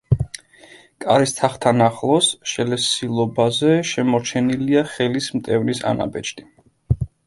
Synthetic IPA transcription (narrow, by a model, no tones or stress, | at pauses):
kʼaɾist̪ʰaχt̪ʰanaχlˠɔsʃɛlɛsilˠɔbazɛʃɛmɔɾt͡ʃʰɛniliaχɛlismt̪ʼɛvnisa̰na̰bɛt͡ʃʰd̪ʼi